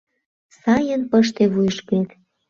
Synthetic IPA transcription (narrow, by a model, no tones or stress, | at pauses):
sɑjənpəʃt̪eβujʃket̪